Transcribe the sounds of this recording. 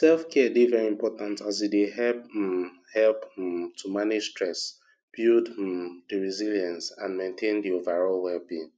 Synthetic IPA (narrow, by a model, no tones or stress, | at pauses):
sɛlfkʰɛdivɛɹiĩmpɔtãntazideɦɛp̚ | hɛlptʰumanɪd͡ʒstɹɛs | b̥juddəɹiziljãnsãnmẽntʰẽndiovaɹɔlwɛlbĩn